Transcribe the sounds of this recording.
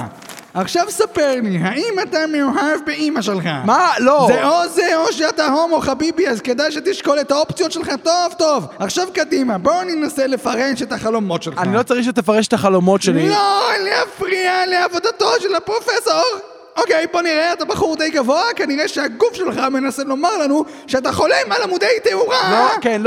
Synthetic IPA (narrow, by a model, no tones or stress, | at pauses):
aχʃavsapeʁliɦaimatamejuɦavbeimaʃe̞lχa̰malozeozeoʃ̬eat̪aɦomoχabibiazke̞d̪ajʃ̬et̪iʃko̞let̪aopt͡sijo̞tʃe̞lχato̞vto̞vaχʃavkad̪imabo̞aninasele̞faʁeʃe̞taχalo̞mo̞tʃelanilo̞t͡saʁiχʃet̪efaʁeʃet̪aχalo̞mo̞tʃeliloliafʁialeavo̞d̪ato̞ʃelapʁo̞fesoʁ | okejbo̞niʁeat̪abaχuʁd̪ejɡavoakaniʁeʃeaɡufʃe̞lχame̞naselo̞maʁlanu | ʃeat̬aχo̞lemalamud̪ejteuʁalokenl